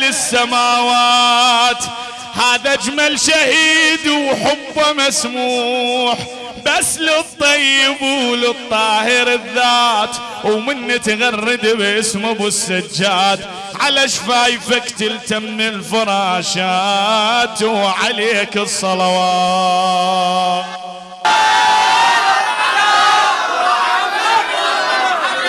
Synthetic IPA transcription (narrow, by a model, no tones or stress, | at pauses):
lɪsːamaːwa | t̪ | haːðad͡ʒmalʃahiːd̪wħʊbːamasmuːħ | basːlɪt̪ˤːɑjːɪbulɨt̪ˤːɑːhɪɾɪðːaːt̪ | wmɪnːit̪ɣɑrˤːɪd̪bʔɪsmʊbɪsːad͡ʒːaːt̪ | ʕalaʃfaːjfakt̪ɪlt̪amnɪlfɑɾˤɑːʃa | t̪wʕaleːkɨsˤːɑlɑwɑ